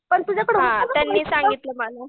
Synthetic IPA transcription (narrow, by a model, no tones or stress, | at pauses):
pəɳt̪ud͡ʑʱakəɽɦãt̪janːiːsãŋɡit̪ləmala